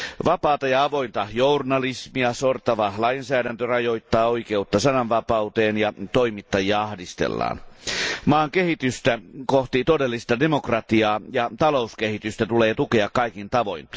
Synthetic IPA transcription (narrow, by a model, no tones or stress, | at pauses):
ʋɑpɑːt̪ɑjɑɑʋo̞int̪ɑhjournɑlismiɑsort̪ɑʋɑhlɑinsæːdænt̪ørɑjoit̪ːɑːoikeut̪ːɑsɑnɑnʋɑpɑut̪eːnjɑt̪oimit̪ːɑjiɑɑhdist̪ḛlːɑ̰ːnmɑːŋkehit̪yst̪ækoht̪it̪odelːist̪ɑde̞mokrɑt̪iɑːjɑt̪ɑlouskehit̪yst̪æt̪uleːt̪ukeɑkkɑikint̪ɑʋo̰in